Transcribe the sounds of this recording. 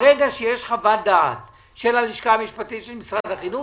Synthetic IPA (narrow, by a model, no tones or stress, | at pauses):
ʁeɡaʃejeʃχavad̪a̰ːt | ʃelaliʃkaːmiʃpatitʃelmisʁad̪haχinu